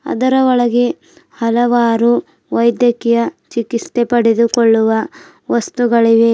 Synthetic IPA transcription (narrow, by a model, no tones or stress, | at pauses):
ɐ̰d̪ɐɾɐɔɭɐɡe | hɐlɐʋaːɾu | ʋɐjd̪jɐkijɐt͡ʃikist̪epɐɽed̪ukoɭːuʋɐ | ʋɐst̪uɡɐɭiʋe